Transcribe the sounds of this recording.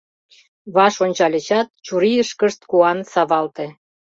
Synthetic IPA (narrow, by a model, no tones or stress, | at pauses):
βɑʃonʲt͡ɕɑlʲet͡ɕɑt̪̚t͡ɕuɾiəʃkə̆ʃt̪̚kuɑnsɑβɑlt̪ĕ